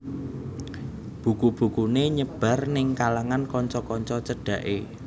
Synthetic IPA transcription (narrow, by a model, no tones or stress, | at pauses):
b̥ṳkub̥ṳkuneɲəb̥ä̤rnɪŋkalaŋankɔɲt͡ʃɔkɔɲt͡ʃɔt͡ʃəɖ̥ä̤ʔe